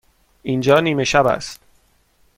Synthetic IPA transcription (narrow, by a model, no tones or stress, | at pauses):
ʔind͡ʒɒːniːme̞ʃæbæ̰st̪